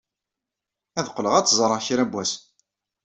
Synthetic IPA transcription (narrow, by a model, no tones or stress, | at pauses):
æðqːləʁæt͡sːzˤɾˤəçiɾæbʷwæs